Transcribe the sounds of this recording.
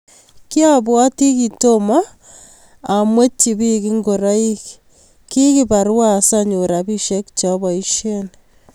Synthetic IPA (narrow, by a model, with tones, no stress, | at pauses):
ki˦a˦bwa˦ti˦ki˨to˦maː˦˨ | mwe˦t͡ʃːi˨bi˦ki˦ŋɡo˨ɾa˦i˦k | ki˦ki˦pa˨ɾwa˦saɲu˨ɾa˨bi˦ʃe˦kt͡ʃɔ˨bɔ˨i˦ʃen